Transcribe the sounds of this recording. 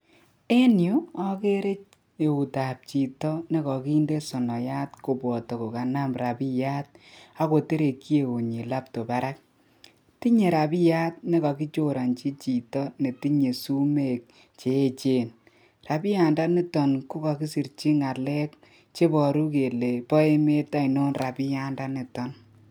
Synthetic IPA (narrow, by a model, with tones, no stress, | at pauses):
e˦nju˦ɔ˦ke˦ɾe˦t͡ʃ | e˨u˨ta˨p̚t͡ʃi˨tɔ˦ne˦kɔ˨ki˦nde˦sɔ˨nɔ˨ja˦tko˨bɔ˨to˨ko˨ka˨na˦mɾa˨pi˦ja˦t̚a˦ko˨te˦ɾe˨ki˦e˨o˨ɲi˨la˦p̚to˨ba˦ɾa˦k̚ | ti˦ɲe˨ɾa˨pi˦ja˦t̚ne˦ka˨ki˦t͡ʃo˦ɾa˨nt͡ʃi˦t͡ʃi˨tɔ˦ne˨ti˦ɲe˨su˦me˦˨k̚ | t͡ʃe˨e˦t͡ʃe˨n | ra˨bi˦ja˨nda˦ne˦tɔ˨nku˦ka˨ki˦si˨ɾt͡ʃi˦ŋa˨lɛ˦k̚ | t͡ʃe˦bɔ˨ɾu˦ke˨le˨pɔ˦e˦me˦ta˦i˨no˦nra˨pi˦ja˦nda˦ne˨tɔ˨n